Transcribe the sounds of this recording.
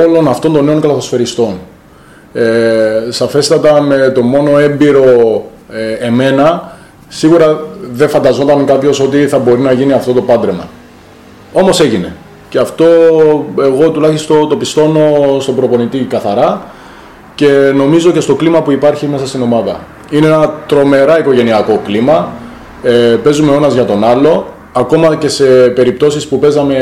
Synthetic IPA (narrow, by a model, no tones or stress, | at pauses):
olo̞nɐft̪ond̪o̞nːe̞o̞ŋkɐlɐθosfe̞ɾist̪o̞n | esɐfe̞st̪ɐt̪ɐme̞t̪o̞mo̞no̞e̞mbiɾo̞ | eme̞nɐ | siɣuɾɐðe̞fɐnd̪ɐzo̞t̪ɐŋkɐpço̞so̞t̪iθɐbo̞ɾinɐʝiniɐft̪o̞t̪o̞pɐd̪ɾe̞mɐ̰ | o̞mo̞se̞ʝine̞̰ | ce̞ɐft̪o̞e̞ɣo̞t̪ulɐçist̪ot̪o̞pist̪o̞no̞st̪o̞bɾo̞po̞nit̪ikɐθɐɾɐ | ce̞no̞mizo̞ce̞st̪o̞klimɐpuipɐɾçime̞sɐst̪ino̞mɐðɐ̰ | ineenɐt̪ɾo̞me̞ɾɐiko̞ʝe̞niɐko̞klimɐ | pe̞zume̞o̞nɐzʝɐt̪o̞nɐlo̞ | ɐko̞mɐce̞se̞pe̞ɾip̚t̪o̞sispupe̞zɐme̞